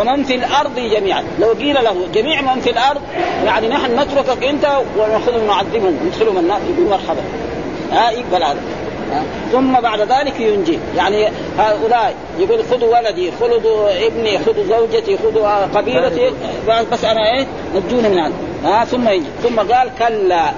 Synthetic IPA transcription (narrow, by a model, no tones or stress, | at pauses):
wamanfilʔɑɾˤd̪ˤid͡ʒamiːʕa̰nlawɡiːlalahud͡ʒamiːʕmanfilʔɑɾˤd̪ˤjaʕninaħnunat̪ɾʊkakʔint̪awɪxʊd̪humnʊʕad̪ːɪbhumnɪd̪xɪlhumanːaːsjɪɡuːlmɑɾˤħaba̰ | ʔajɪɡ̚d̪alʔad̪a | a | θumːabaʕd̪aðaːlikjund͡ʒijaʕni | haːʔulaːʔj | jɪɡuːlxud̪uwalad̪ixʊld̪ˤʔɪbnixʊd̪uzawd͡ʒat̪ixʊd̪uqabiːlat̪ibabasːʔanaʔeː | nat̪d͡ʒuːnimɪnʕad̪ | aθumːajid͡ʒḭsumːaɡaːlkalːa